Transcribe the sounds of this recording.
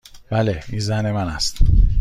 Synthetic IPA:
b̥æːleinzænemænæst̪

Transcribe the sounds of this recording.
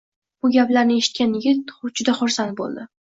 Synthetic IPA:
b̥ʊɡʲaplaɾnɪe̞ʃɪt̪̚kʲanjɪɡʲɪt̪̚ʊd͡ʒʊd̪aχʊɾsant̪̚bo̰lˠd̪ɪ

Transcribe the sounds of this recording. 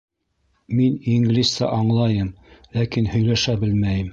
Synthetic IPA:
miniŋɡlʲist̪ɑ̰ʔɑɴlˠɑjɤmlækinhɵ̆jlæʃæbɘlmæjɘm

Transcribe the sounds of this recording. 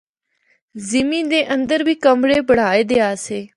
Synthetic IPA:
zɪmĩːd̪eːʔənd̪əɾʋiːkəmɽeːbəɽ̤aːeːd̪eːaːseː

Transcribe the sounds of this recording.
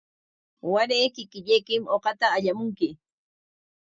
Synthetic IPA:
waɾejkɪkɪʎejkɪmoqɑt̪aːʎamʊŋkɪ

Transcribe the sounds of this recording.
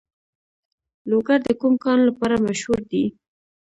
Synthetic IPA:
loɡaɾd̪əkumkɑnlapɑɾamaʃhuɾd̪i

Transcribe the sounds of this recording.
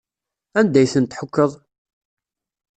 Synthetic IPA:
ænd̪æjθənt̪ħəkːəðˤ

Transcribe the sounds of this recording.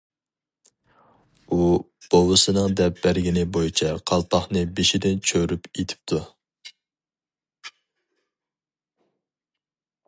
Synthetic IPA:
u | b̥owɨsɨnɨŋd̪ɛp̚bæɾɡʲinɪbojit͡ʃʰɛqʰɑlˠpʰɑχnɨbeʃid̪ɪnt͡ʃʰøɾypet̪ʰɪ̥p̚t̪ʰu

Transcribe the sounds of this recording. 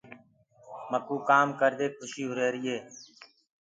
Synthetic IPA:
məkuːkaːmkəɾd̪eːk̪̚ʰʊʃiːɦʊɾeːɾɪːeː

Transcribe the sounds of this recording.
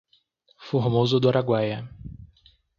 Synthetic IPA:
foɦmozʊd̪ʊaɾaɡwajɐ

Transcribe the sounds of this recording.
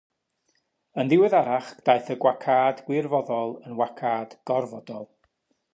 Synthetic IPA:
ənðɪwɨðaɾaχd̥ajθəɡwakʰaːdɡ̥wɪrvɔðɔlˠənwakʰaːd̥ɡ̥ɔrvɔdɔlˠ

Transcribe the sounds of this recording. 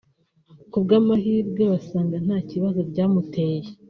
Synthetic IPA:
kubɡaːmaɦiːɾɡe̞βasaːŋɡan̥haːciβazo̞ɾɟaːmute̞ːje

